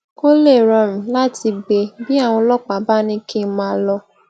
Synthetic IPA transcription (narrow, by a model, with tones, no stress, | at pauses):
ko˦le˦˨ɾɔ̃˧˨m̩̃˨la˦tʰi˧ɡ͡be˧bi˦a˦˨w̃ɔ̃˧lɔ˦k͡pa˨ba˦˨nĩ˦ki˦˨˦mã˧˦lɔ˧